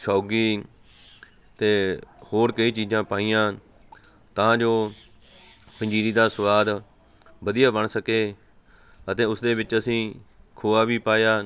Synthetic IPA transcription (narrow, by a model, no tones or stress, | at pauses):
saːɡiː | t̪eːhoːɽkəiːt͡ʃiːzãːpaːiːjãː | t̪ãːd͡ʒoː | pə̃ɲd͡ʒiːɾiːd̪aːsʊwaːd̪ | bəd̪ijaːbəɳsəkeː | ət̪ẽːʊsd̪eːbɪt͡ʃəsĩː | kʰoːaːʋiːpaːjaː